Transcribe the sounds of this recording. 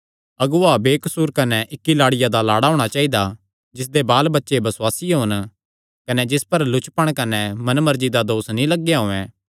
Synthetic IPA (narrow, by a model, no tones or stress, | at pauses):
ɐɡuaːbeːkɐsuːɾkɐnɛʔɪkːilaːɽɪjad̪alaːɽaɦʊːɽ̃at͡ʃaːid̪a | d͡ʒɪs̬d̪ebaːlbɐtːʃebɐsʊwaːsiɦʊn | kɐnɛd͡ʒɪspɐɾlʊt͡ʃpɐɽ̃kɐnɛmɐnmɐɾd͡ʒid̪ad̪oːsnĩlɐɡːjaɦõɛ̃ː